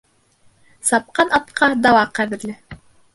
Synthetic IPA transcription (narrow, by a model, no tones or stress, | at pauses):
sɑp̚qɑnɑt̪qʰɑd̪ɑwɑqæðɘ̆ɾlɘ